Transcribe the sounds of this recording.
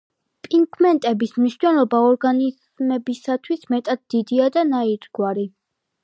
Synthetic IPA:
pʼiŋkʰmɛnt̪ʼɛbismniʃnɛlˠɔbaɔɾɡaniz | mɛbisat̪ʰwismɛt̪ʼad̪̚d̪̥id̪iad̪anaiɾd̪ɡwaɾi

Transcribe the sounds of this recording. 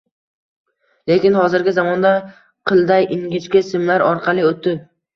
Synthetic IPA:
le̞kʲɪnhɒzɪɾɡʲɪzamɒnd̪a | qʰɨlˠd̪ajʔɪŋɡʲɪt͡ʃkʲasɪmlaɾɒɾqʰɑlˠɪot̪̚ːɪ

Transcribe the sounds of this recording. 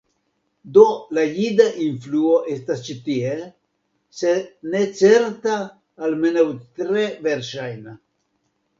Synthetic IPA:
d̪olajid̪aʔinfluoʔestast͡ʃit̪ie | senet͡seɾt̪aː | lmenawt̪ɾeveɾʃajna

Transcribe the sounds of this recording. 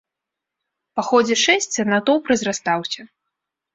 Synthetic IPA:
paxɔd͡zʲɛʂɛsʲt͡sʲɐnat̪ɔwpɾɐzʲrast̪awsʲɐ

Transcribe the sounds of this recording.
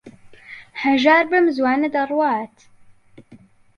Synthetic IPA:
ħaʒaːɾˤbəmzwaːnad̪ɑrˤwaːt̪

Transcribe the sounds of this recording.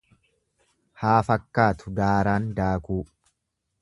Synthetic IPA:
haːfɐkːaːt̪ʊd̪aːɾaːnd̪aːkuː

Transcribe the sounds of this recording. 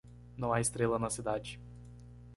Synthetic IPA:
nɐ̃w̃aɪst̪ɾelɐnɐsid̪ad͡ʒɪ

